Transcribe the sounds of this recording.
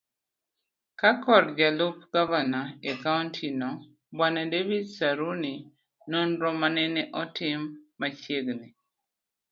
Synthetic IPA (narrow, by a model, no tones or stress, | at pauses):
kakɔɾd͡ʒalup̚ɡ̥avanaekaɔntʰinɔ | banadevidsaɾuni | nonɾɔmanɛnɛʔɔtɪmːat͡ʃjeɡni